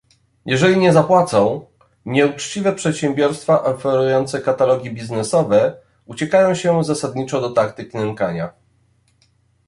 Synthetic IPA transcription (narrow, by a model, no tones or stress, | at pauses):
jʔɛʐɛlʲiɲɛzapwat̪sɔ̃w̃ | ɲɛut͡ʂt͡ɕivɛpʂɛt̪ɕɛ̃mbʲjɔɾst̪faʔɔfɛɾujɔnt̪sɛkat̪alɔɡʲibʲiznɛsɔvɛ | ut͡ɕɛkajɔ̃w̃ɕɛzasad̪ɲit͡ʂɔd̪ɔt̪akt̪ɘknɛmkaɲa